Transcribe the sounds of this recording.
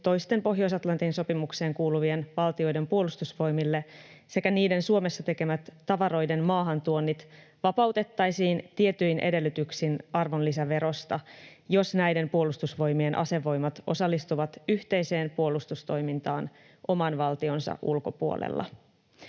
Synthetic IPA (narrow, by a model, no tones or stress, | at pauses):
t̪o̞jst̪e̞mpo̞ɦjo̞isɑt̪lɑnt̪inso̞pimukse̞ːŋkuːluʋienʋɑlt̪io̞jde̞mpuo̞lust̪usʋo̞jmilːe̞ | se̞kæniːde̞nsuo̞me̞sːɑt̪e̞kemæt̪ːɑʋɑɾo̞jde̞nmɑːɦɑnt̪uonːit̪ | ʋɑpɑwt̪e̞t̪ːɑjsiːnt̪ie̞t̪ːyjnʔe̞̰de̞lːyt̪yksinɑrʋo̞nlisæʋe̞ɾo̞st̪ɑjo̞snæjde̞mpuo̞lust̪usʋo̞jmie̞nʔɑ̰se̞ʋo̞jmɑt̪o̞sɑlːist̪uʋɑt̪yht̪e̞jse̞ːmpuolːust̪ust̪o̞jmint̪ɑːn | ʔo̞mɑnʋɑlt̪io̞nsɑ̰ʔulko̞puo̰lḛlːʔɑ̰